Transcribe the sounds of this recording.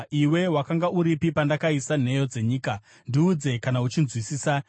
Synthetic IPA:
iwe̞wakaŋɡauɾipipandakaisan̤e̞jo̞d͡ze̞ɲiːka | ndiud͡ze̞kanaut͡ʃinzwisiːsa

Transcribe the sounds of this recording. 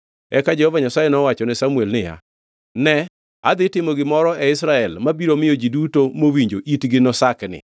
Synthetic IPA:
ɛkad͡ʒɛhɔvaɲasajenɔwat͡ʃɔnɪsamuɛlnɪja̰ | nɛ | a̰d̪ɪtɪmoɡɪmɔɾɔʔɛɪsɾaɛlmabiɾomɪjod͡ʒidutomowiɲd͡ʒoʔitɡɪnɔsaknɪ̰

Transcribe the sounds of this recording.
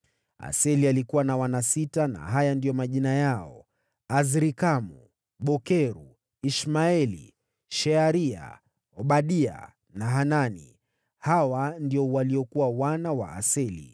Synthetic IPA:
a̰sɛlialikuwanawanasitana̰ɦajandijɔmaʄinajaɔ | azɾikamu | ɓɔkɛɾu | iʃmaɛlḭ | ʃɛaɾia̰ | ɔɓaɗia̰ | naɦananḭ | hawandiɔwaliɔkuwawanawa̰ʔa̰sɛlḭ

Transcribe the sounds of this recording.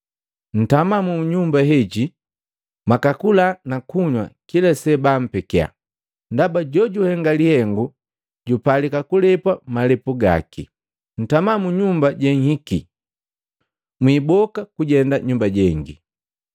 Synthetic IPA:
n̩tamamuɲumbaɦɛɟi | makakulanakuɲwa̰kilasɛbam̩pɛkɛa̰ | ndabaɟɔɟuhɛŋɡalihɛŋɡu | ɟupalikakulɛpwamalɛpuɡa̰kḭ | n̩tamamuɲumbaɟɛŋhiki | mwiːbɔkakuɟɛndaɲumbaɟɛŋɡi

